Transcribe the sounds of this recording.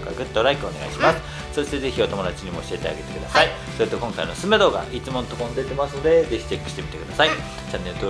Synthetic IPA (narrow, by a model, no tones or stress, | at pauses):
ka̰ɡɯ̟t̪ːo̞ɾaikɯone̞ɡa̰iɕimasɨ̥ | so̞ɕi̥t̪e̞zeçʲio̞t̪o̞mo̞d̪at͡ɕiɲ̟imo̞̰ːɕiet̪ea̰ɡe̞t̪e̞kɯd̪asai | so̞ɾet̪okõ̞ŋkainosɨmed̪o̞ːɡa̰it͡sɨmõ̞nt̪okond̪et̪e̞masɨno̞d̪e̞ze̞çi̥t͡ɕe̞kːɯ̟̥ɕi̥t̪emʲi̥t̪e̞kɯ̟d̪asai | t͡ɕanːe̞ɾɯt̪o